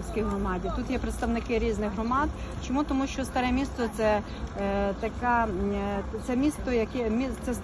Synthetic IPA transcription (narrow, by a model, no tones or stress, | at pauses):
sʲkijɦɾɔmɑdʲit̪ut̪jɛpɾet̪st̪ɐʋnɪkɪɾʲiznɪɣɦɾɔmɑd̪ | t͡ʃɔmut̪ɔmuʃt͡ʃɔst̪ɐɾɛmʲist̪ɔt̪sɛ | t̪ɐka | t̪sɛmʲist̪ɔjɐkɛmʲit̪sɛs